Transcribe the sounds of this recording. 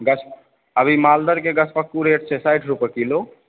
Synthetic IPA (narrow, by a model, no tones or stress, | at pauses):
ɡəsʰp | ɐbʱimaːld̪əɾkeɡɐt͡ʃʰpəkːuɾeːʈ̚t͡ʃʰesaɪʈʰɾupəɾkiloː